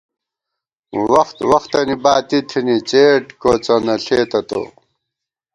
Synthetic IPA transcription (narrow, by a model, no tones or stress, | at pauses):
wɐxt̪wɐxt̪ɐnibaːt̪it̪ʰinit͡seːʈkot͡sɐnɐɬeːt̪ɐt̪o̰